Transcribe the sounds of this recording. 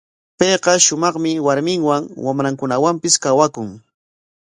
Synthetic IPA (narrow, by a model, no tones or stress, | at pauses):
pejqɑʃʊmɑχmɪwaɾmɪŋwaŋwamɾaŋkʊnawampɪskawakʊŋ